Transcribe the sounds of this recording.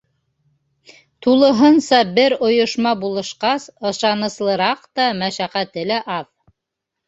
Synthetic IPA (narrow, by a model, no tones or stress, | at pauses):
t̪ulˠɤ̆ɦɤnsɑbɘɾŏjŏʃmɑbulˠɤ̆ʃqɑsɤ̆ʃɑnɤ̆slˠɤ̆ɾɑqt̪ɑmæʃæqæt̪ɘlæʔɑð